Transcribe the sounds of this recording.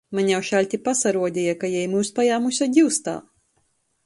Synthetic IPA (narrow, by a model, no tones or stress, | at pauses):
maɲʲawʃalʲt̪ʲipasaɾuɔd̪ʲijakajɛjmuːspajaːmusʲaɟ̪ʲiwst̪a̰ː